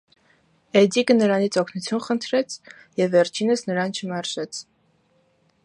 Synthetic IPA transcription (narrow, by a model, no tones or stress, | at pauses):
ɛd̪ikənəɾɑnit͡sʰɔkʰnut͡sʰjunχənt̪ʰɾɛt͡sʰ | jɛvːɛɾt͡ʃʰinəsnəɾɑnt͡ʃʰəmɛɾʒɛt͡sʰ